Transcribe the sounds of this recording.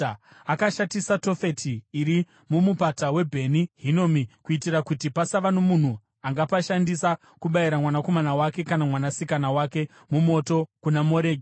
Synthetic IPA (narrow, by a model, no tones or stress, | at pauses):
akaʃatisato̞fe̞tʰiːɾi | mumupatawe̞bʱe̞niɦino̞ːmikuitirakutipasaʋanomun̤u | aŋɡapaʃandisa | kuɓaiɾamwanako̞manawake̞kanamwanasikanawake̞ | mumo̞to̞kunamo̞ɾeːɡ